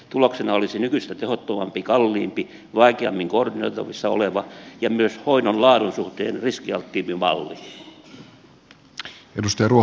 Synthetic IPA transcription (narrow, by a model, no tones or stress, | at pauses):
t̪uloksenɑolisenykyst̪æt̪ehot̪ːomɑmpikɑlːiːmpi | ʋɑikeɑ̰mːiŋkordino̰it̪ɑ̰ʋisːɑo̰leʋɑjɑmyøshoinonlɑːɾunsuht̪ḛːnriskiɑlt̪ːiːmpimɑ̰lːiː | ḛdust̪ɑjɑruo